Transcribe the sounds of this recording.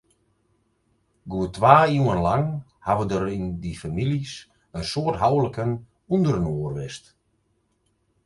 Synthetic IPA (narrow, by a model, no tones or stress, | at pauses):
ɡuətʋaːiuənlaŋ | haʋədəɾindifamilis | ənsoːtɦawləkən | undərənoːərʋɪst